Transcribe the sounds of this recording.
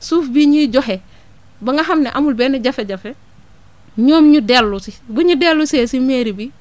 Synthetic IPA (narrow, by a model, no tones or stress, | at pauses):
suːfbiɲiɟɔɦe | baŋɡaɦamnɛʔamulbɛːnɛɟɐfeɟɐfe | ɲoːmɲudelːusiɡuɲudelːuseːsimeːɾibi